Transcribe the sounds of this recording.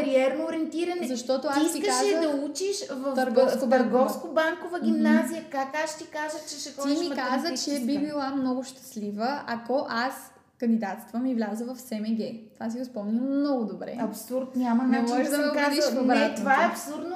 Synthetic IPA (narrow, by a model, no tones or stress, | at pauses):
ɾiɛɾnooɾɛnt̪iɾɐnɛzɐʃt̪ɔt̪ʊasit̪sikʃazɛd̪ɐut͡ʃiʃvɐft̪ɐɾɡɡɔskkoɐɾɡɔfskobaŋkovəɡ̟ʲimnazijəkakasʃt̪ikaʒət͡ʃɛʃɛxɔt̪imimkazət͡ʃɛbibilˠamnɔɡʊʃt̪ɐ̥slivəɐkoʔas | kənd̪id̪at̪st̪vəmivlʲazəvɐfsɛmɛɡɛt̪ovas̬iʊspɔmnəmnɔɡʊd̪obɾɛ̰ɐpsuɾt̪nʲamɐnnɛmɔɛʒd̪ɐɛaiʃd̪nbɾaɛt̪ovaɛɐpsuɾd̪no